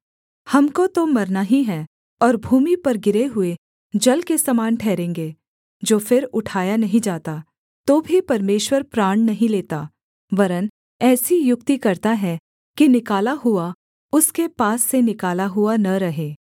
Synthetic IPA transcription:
hɐmkot̪omɐɾnaɦiɦɛ | ɔːɾbʱuːmipɐɾɡɪɾeɦʊe | d͡ʒɐlkesɐmaːnʈʰɛːɾẽːŋɡeː | d͡ʒoːfɪɾʊʈʰaːjanɐɦĩd͡ʒaːt̪a | t̪oːbʱipɐɾmeːʃwəɾpɾaːɳ̃nɐɦĩleːt̪a | ʋɐɾən | ɛːsijʊk̚t̪ikɐɾt̪aɦɛ | kinɪkaːlaɦʊa | ʊskepaːsːenɪkaːlaɦʊanɐɾɐɦeː

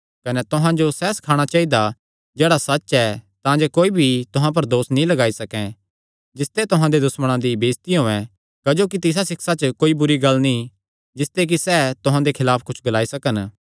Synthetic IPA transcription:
kɐnɛt̪ʊɦãd͡ʒosɛsɐ̥kʰaːɽ̃at͡ʃaːid̪a | d͡ʒeːɽasɐt͡ʃɛt̪ãd͡ʒekoːibʱit̪ʊɦãp̬ɐɾd̪oːsnĩlɐɡaːisɐkɛ̃ | d͡ʒɪst̪et̪ʊɦãd̪ed̪ʊsməɽ̃ãd̪ibeːst̪iɦoːɛ̃ | kɐd͡ʒoːkit̪ɪs̬asɪksat͡ʃəkoːibʊɾiɡɐlːnĩ | d͡ʒɪst̪ek̬isɛt̪ʊɦãd̪ekʰɪlaːpʰkʊt͡ʃʰɡɐlaːisɐkən

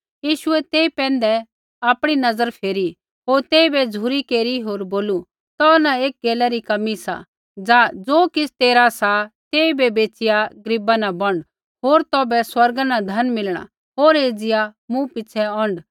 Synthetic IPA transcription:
jiːʃʊɛt̪eːipɛ̃ːnd̪ɛ | aːpɽ̃inɐzəɾpʰeːɾi | ɦoːɾt̪eːibɛd͡zʱuɾikeːɾiɦoːɾboːlu | t̪ɔnaeːk̚ɡeːlɛɾikɐmisa̰ | d͡zaːd͡zoːkɪsʰt̪eːɾasat̪eːibɛbeːt͡sɪjaɡəɾɪbanabɐ̃ɳɖ | ɦoːɾt̪ɔːbɛswɐɾɡanad̪ʱɐnmɪlɽ̃a̰ | ɦoːɾeːd͡zɪjamũpɪt͡sʰɛɔ̃ːɳɖ

